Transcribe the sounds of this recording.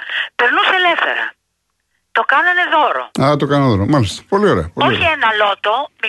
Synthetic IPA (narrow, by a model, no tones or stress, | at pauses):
pe̞ɾnuselefθe̞̰ɾɐ̰ | t̪o̞kɐnɐne̞ðo̞ɾo̰ɐt̪okɐnɐnðoɾomalist̪ɐ̥po̞lioɾeɐpooienɐlo̞t̪o̞mi